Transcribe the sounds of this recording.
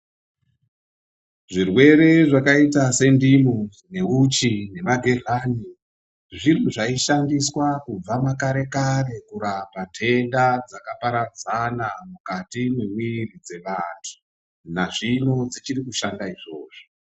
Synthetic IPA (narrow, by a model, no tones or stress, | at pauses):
ʐirwe̞ɾe̞ʐakaitase̞ndimu | ne̞ut͡ʃine̞maɡʱer̤aːni | ʐiriʐaiʃandiswakub͡vamakaɾe̞kare̞kuɾapatʰe̞ndad͡zakapaɾad͡zanamukatimwemwirid͡ze̞ʋantʰu̥ | naʐino̞d͡zit͡ʃirikuʃandaiʐo̞̰ːʐo